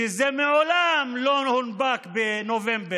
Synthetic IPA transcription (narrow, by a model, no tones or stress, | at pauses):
ezɛmeʕolamlonhunbakbenovembe